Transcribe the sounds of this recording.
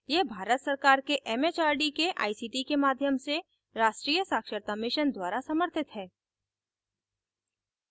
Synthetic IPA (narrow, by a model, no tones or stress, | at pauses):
jeːbʱaːɾət̪səɾkaːɾkeʔɛːmeːt͡ʃaːɾɖikeʔa̰ːisiːʈikemaːd̪ʱjəmse | ɾaːʃʈɾiːjəsaːkʃəɾt̪amɪʃənd̪waːɾasɐməɾt̪ʰɪt̪ɦɛː